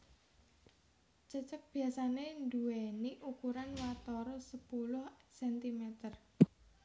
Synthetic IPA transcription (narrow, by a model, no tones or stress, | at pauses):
t͡ʃət͡ʃək̚b̥i̤asanend̪ueniʔukuɾanwat̪oɾɔsəpulʊhsɛnt̪imet̪ər